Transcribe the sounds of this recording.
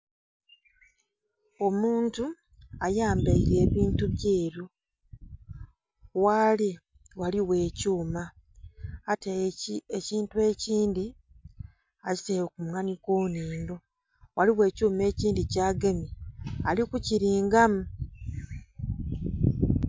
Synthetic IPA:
o̞muːntu | ajaːmbaiɾe̞ːβiːntuβjeːɾju | wali | waliwe̞ːcuːmaː | teeciːntue̞ːciːndi | aci̥sejokumŋanikoːniːndo | waliwe̞ːcuːme̞ːciːndicaːɡe̞mialikuciɾiːŋɡamu

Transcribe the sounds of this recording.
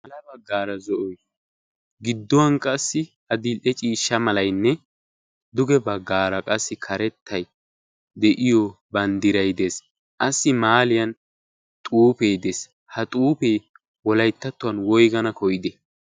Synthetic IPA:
mɐlɐbɐɡːaːɾɐzɔʔɔj | ɡɪd̪ːɔwɐnkʼɐsːɪ | ɐd̪ɪɛt͡ʃʼiːʃːɐmɐlɐjnːɛ | d̪ʊɡɛbɐɡːaːɾɐkʼɐsːɪkʰɐɾɛt̪ːɐj | d̪ɛʔɪjɔbɐnd̪ɪɾɐjd̪eːs | ʔɐsːɪmaːlɪjɐn | t̪ʼuːpeːd̪eːs | hɐt̪ʼuːpej | wɔlɐjt̪ːɐt̪ːʊwɐnwɔjɡɐnɐkʰɔjɪd̪ɛ

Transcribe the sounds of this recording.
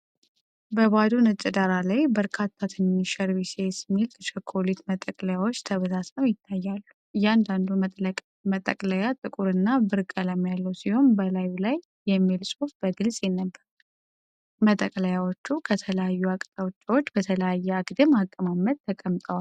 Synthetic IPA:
bəbad̪unɨt͡ʃʼɛd̪aɾalajbəɾkʰat̪ʰːat̪ʰɨnːiʃəɾbisesimːilt̪ʰət͡ʃʰəkʰːolit̪mət̪ʼːəkʼləjawot͡ʃːt̪ʰəβəsasməmjɪt̪ʰːajːalːu | jɛand̪and̪u | mət̪ʼə̰kʼləjat̪ʼɨkʼuɾɨnːabɨɾkʼələmjalːəwsiho̞nbəlajulajːɛmːilsʼofbəɡɨlsʼjɛnːəbːəɾ | mət̪ʼəkʼləjawot͡ʃːukʰət̪ʰələjajːuakʼt̪ʼəwt͡ʃʼːwot͡ʃːbət̪ʰələjajːɛaɡd̪ɨmakʼːəmamːət̪̚t̪ʰːəkʼəmt̪ʼəwal

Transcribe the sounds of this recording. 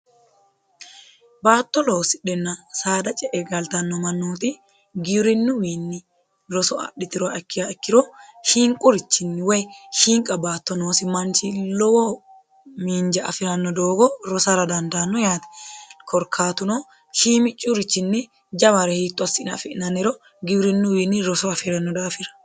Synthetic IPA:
baːt̪ːɔlo̞ːsɪᶑɛnːɐsaːd̪ɐt͡ʃʼɛʔɛɡɐlt̪ɐnːɔmɐnːuːt̪ɪ | ɡɪɾɪnːʊwiːnːɪ | ɾɔsɔɐ̰ɗɪt̪ɪɾɔɛkːɪjaɛkːɪɾɔʃiːŋkʼʊɾɪt͡ʃːɪnːɪwɔjhiːŋkʼɐbaːt̪ːɔnoːsɪmɐnt͡ʃɪlɔwɔ | miːnd͡ʒɐɐfɪɾɐnːɔd̪oːɡɔɾɔsɐɾɐd̪ɐnd̪anːɔjaːt̪ɛ̥kʰɔɾkʰaːt̪ʊno | ʃiːmɪt͡ʃʼːuɾɪt͡ʃːɪnːɪ | d͡ʒɐmɐɾɛhiːt̪ʼːɔɐsːɪnɐ̰fɪʔnɐnɪɾɔ | ɡɪwɾɪnːʊwiːnːɪɾɔsɔɐfɪɾɐnːɔd̪aːfɪɾɐ̥

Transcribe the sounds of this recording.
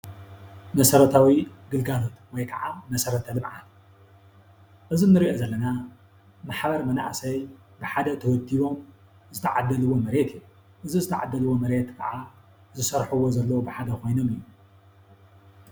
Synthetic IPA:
mɐsɐɾɐt̪ʰawiɡɨlɡalo̞t̪wɔjkʰɐʕamɐsɐɾɐt̪ʰɐlɨmʕa | ʔɨzinːɨɾiʔozɐlːɐna | maħbɐɾmɐna̰ʕsɐj | bɨħad̪ɐt̪ʰɐwɔd̪iβo̞m | zɨt̪ʰɐʕad̪ːɐlɨwːo̞mɐɾe̞t̪ʰiju | ʔɨzizɨt̪ʰaʕa̰d̪ːɐlɨwːo̞mɐɾe̞t̪kʰɐ̰ʕa | zɨsɐɾħuwo̞zɐlːɐwubɨħad̪ɐkʰo̞jno̞mɨjːu

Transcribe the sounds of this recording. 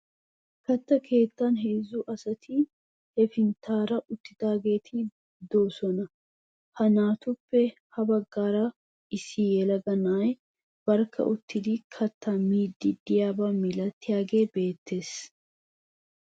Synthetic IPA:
kɐt̪ːɐkʰe̞ːt̪ːɐnɦeːzːʊʔɐsɐt̪ʰɪ | hɛfɪnt̪ʰaːɾɐʔʊt̪ːɪd̪̥aːɡe̞ːt̪ʰɪ | d̪oːsɔnɐ | hɐnaːt̪ʊpːɛ | hɐbɐɡːaːɾɐ | ʔɪsːɪjɛlɐɡɐnaːj | b̥ɐɾkʰːɐ̰ʔʊt̪ʰːɪd̪ɪkʰɐt̪ːɐmiːd̪ːɪd̪ɪjaːbaːmɪlɐt̪ːɪjaːɡe̞ːbe̞ːt̪ːe̞ːs

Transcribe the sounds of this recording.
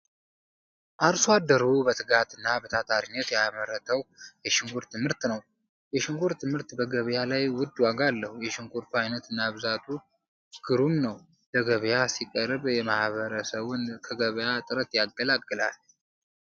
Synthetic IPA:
ʔaɾswad̪ːəɾubət̪ʰɨɡat̪ɨnːabət̪ʰat̪ʰaɾinːət̪jaməɾət̪ʰəwjɛʃɪŋɡuɾt̪ʰɨmhɨɾt̪nəw | jɛʃɪŋɡuɾt̪ʰɨmhɨɾt̪bəɡəβjalajwʊd̪ːwaɡalːəhujɛʃɪŋɡuɾt̪ʰuajnət̪ɨnːaβɨzat̪ʰu | ɡ̥ɨɾumnəw | ləɡəβjasikʼəɾβjɛmahβəɾəsəβʊnkʰəɡəβjat̪ʼɨɾət̪jaɡːəlakʼːɨla̰l

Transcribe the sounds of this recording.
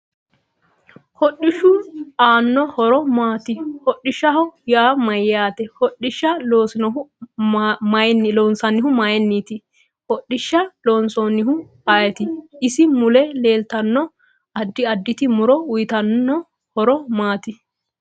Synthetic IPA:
hɔɗɪʃːʊaːnːɔhɔɾɔmaːt̪ɪhɔɗːɪʃːɐhɔjaːmɐjaːt̪ɛhɔɗɪʃːɐloːsɪnɔʊ | mnːloːnsɐnːɪɦʊmaːjɛnːiːt̪ɪ | hɔɗɪʃːɐloːnsonːɪhʊ | aːjɛt̪ɪɪsɪmʊlɛle̞ːlt̪ɐnːɔ | ɐd̪ːɪɐd̪ːɪt̪ɪmʊɾɔʊjt̪ɐnːɔ | hɔɾɔmaːt̪ɪ

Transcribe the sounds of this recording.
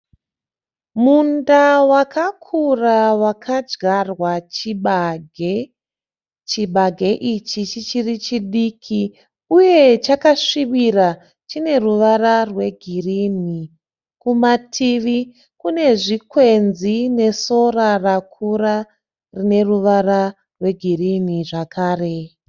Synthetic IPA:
mundawakʰakʰurawakʰad͡ʒɡarwat͡ʃiɓɡʱe | t͡ʃiɓaɡʱe̞ʔit͡ʃit͡ʃit͡ʃirit͡ʃiɗikʰi | uje̞t͡ʃakaʂiʋira | t͡ʃine̞ruʋararwe̞ɡʱirini | kumatʰiʋi | kune̞ʐikwenzine̞so̞rarakʰura | rine̞ruʋara | rwe̞ɡʱiriniʐakʰaːre̞

